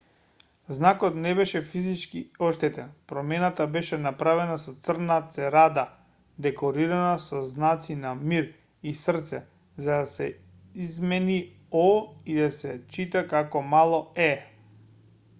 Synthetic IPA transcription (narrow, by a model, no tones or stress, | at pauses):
znakɔt̪nɛbɛʃɛfizit͡ʃkiɔʃt̪ɛt̪ɛnpɾɔmɛnat̪abɛʃɛnapɾavɛnasɔt̪sr̩nat̪sɛɾad̪a | d̪ɛkɔɾiɾanasɔznat̪sinamiɾ | isr̩t̪sɛ | zad̪asɛ | izmɛni | ɔid̪asɛt͡ʃit̪akakɔmalˠɔɛ